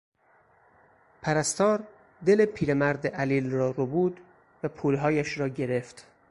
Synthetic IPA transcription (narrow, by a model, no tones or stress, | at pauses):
pʰæɾæst̪ɒːɾ | d̪e̞lepʰiːɾemæɾd̪eʔæliːlrɒːɾobuːd̪ | væpʰuːlɦɒːjæʃɾɒːɟe̞ɾe̞ft̪